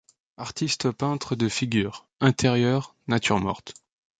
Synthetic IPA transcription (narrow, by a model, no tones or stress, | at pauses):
aʁt̪ist̪əpɛ̃t̪χəd̪əfiɡʲyːʁ | ɛ̃t̪ʰeʁjœʁ | nat̪yʁmɔ̰ʁt̪